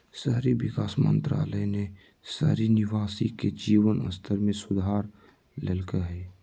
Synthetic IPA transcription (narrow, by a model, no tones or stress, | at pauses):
səɦɾiʋɪkaːsmə̰̃nt̪ɾa̰ːləjne | sə̰ɦɾinɪʋaːsiked͡ʒiːʋənə̰st̪ʰəɾmẽsʊd̪ʱaːɾ | ləlkəɦɛː